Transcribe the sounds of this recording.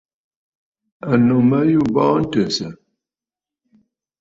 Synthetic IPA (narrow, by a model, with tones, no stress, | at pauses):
a˨no˨mə˦ju˦˨bɔ˦n̩˦tə˨sə˨